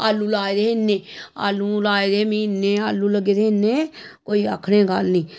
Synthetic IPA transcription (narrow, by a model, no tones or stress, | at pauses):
aːlːuːlaːed̪eːɪnːẽːa̰ːlːũːlaːed̪eːmĩːnːẽːaːlːuːləɡeːɾeːɪneːkoːiːa̰ːkʰɽẽːɡəlnĩː